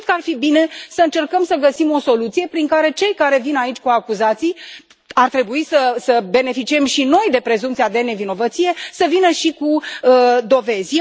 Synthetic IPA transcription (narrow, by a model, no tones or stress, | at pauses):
d̪̚kəarfibine̞səɨnt͡ʃe̞rkəmsəɡəsimo̞so̞lut̪sije̞pɾiŋkaɾe̞t͡ʃe̞jkaɾe̞vinait͡ʃʲkuakuzat̪sij | art̪ɾe̞buisəsəbe̞ne̞fit͡ʃiemʃino̞jd̪e̞pɾe̞zumpt̪sijad̪e̞ne̞vino̞vət̪sije̞səvinəʃikuəd̪o̞ve̞z